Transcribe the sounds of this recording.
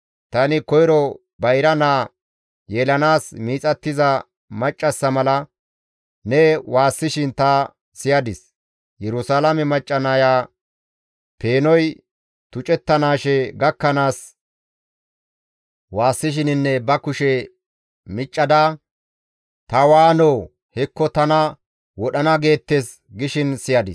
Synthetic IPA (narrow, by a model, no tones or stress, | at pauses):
t̪ɐnɪkɔjɪɾɔ | bɐjɾɐnaː | jeːlɐnaːsmiːt͡sʼɐt̪ːɪzɐ | mɐt͡ʃʼːɐsːɐmɐlɐ | nɛwaːsːɪʃɪnt̪ɐ | sɪjɐd̪ɪs | jɛɾʊsaːlɐmɛmɐt͡ʃʼːɐnɐjaː | pe̞ːnɔj | t̪ʊt͡ʃʼɛt̪ːɐnaːʃɛɡɐkːɐnaːs | waːsːɪʃ̬ɪnɪnːɛbɐkʊʃɛ | mɪt͡ʃʼːɐd̪a | t̪ɐwaːnoː | hɛkːɔt̪ɐnɐ | wɔɗɐnɐɡe̞ːt̪ːes | ɡɪʃɪnsɪjɐd̪ɪs